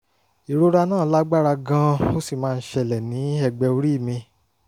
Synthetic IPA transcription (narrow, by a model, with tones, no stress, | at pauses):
i˨ɾo˨˦ɾa˧nãː˦˨˦la˦ɡ͡ba˦ɾa˧ɡã˦o˦si˦˨mãː˦˧n̩˦ʃɛ˧˨lɛ˨nĩ˨˦ɛ˦˨ɡ͡bɛ˧o˧˦ɾi˦˨mĩ˧